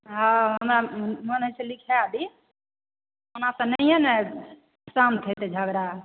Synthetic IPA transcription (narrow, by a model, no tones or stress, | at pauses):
ɦãɦəmɾamənəselikʰɛab̪i | onasə̃nɛjɛnɛ | samt̪ʰɛt̪ɛd͡ʒʱəɡɾa